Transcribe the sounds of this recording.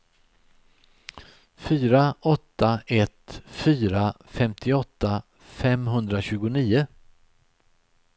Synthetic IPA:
fyːɾaɔt̪ːaʔɛt̪fyːɾafɛmt̪ʰɪɔt̪ːa | fɛmɦɵnd̪ɾaɕʉ̟ːɡʊniːʊ

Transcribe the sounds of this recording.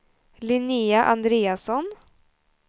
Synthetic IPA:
lɪniːaʔɑnd̪ɾeːasɔn

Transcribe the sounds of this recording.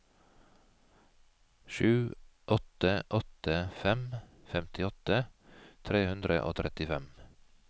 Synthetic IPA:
ʃʉːʔɔt̪əʔɔt̪əfɛmfɛmt̪ɪɔt̪ət̪ʰɾeːhʉnd̪ɾə̰ʔo̰ːt̪ʰɾʔɛt̪ɪfɛm

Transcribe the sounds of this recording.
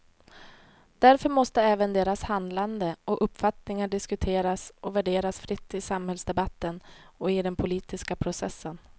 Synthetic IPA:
d̪̥æɾfœɾmɔst̪əɛːvənd̪eːɾashand̪land̪əɔʔɵpːfat̪nɪŋaɖɪskɵt̪ʰeːɾasʔɔvæɖeːɾasfɾɪt̪ːɪsamhɛlsd̪ɛbat̪ːənɔɪd̪ɛnpʰʊliːt̪ɪskapʰɾʊsɛsːən

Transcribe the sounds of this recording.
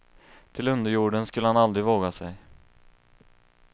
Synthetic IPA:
t̪ʰɪlɵnd̪əɾjuːɖənskɵlːəhanald̪ɾɪvoːɡasɛj

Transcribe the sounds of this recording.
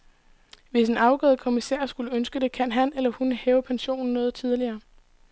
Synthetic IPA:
ʋe̝se̝nɑ̈ʊɡ̥ɔ̰ːðˠəkʰo̝misɛ̰ɐ̰sɡ̥uləønsɡ̥əd̥e̝kʰæn̰ɦænelɐhunhɛːʊɐpʰænɕo̝̰ːn̩ːɔ̽ːð̩ˠt͡sʰið̞ˠliɐː

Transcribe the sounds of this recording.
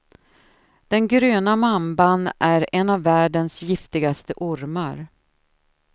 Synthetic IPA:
d̪̥ɛnɡɾøːnamambanæɾɛnavːæːɖənsjɪft̪ɪɡast̪əʔʊɾmaɾ

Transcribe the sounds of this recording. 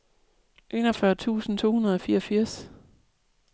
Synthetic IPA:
ʔe̝ːnɒfɶɐt͡sʰṵːsn̩t͡sʰo̝ːhunɐð̞ˠɒ̽fiːɐfiɐ̰s

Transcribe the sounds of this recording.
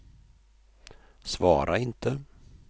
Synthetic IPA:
svɑːɾʔaɪnt̪ʰə

